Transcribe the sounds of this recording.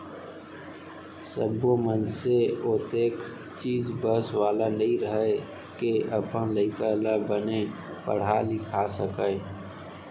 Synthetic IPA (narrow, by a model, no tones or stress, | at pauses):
səbomənseot̪eːk | t͡ʃiːzbəswaːlanəɦĩɾəɦe | keʔəpənləɪkalabəne | pə̰ɽ̤alɪkʰasəkə